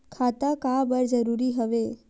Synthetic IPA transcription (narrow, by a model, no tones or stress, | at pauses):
kʰat̪akabəɾd͡ʒəɾuɾiɦəʋe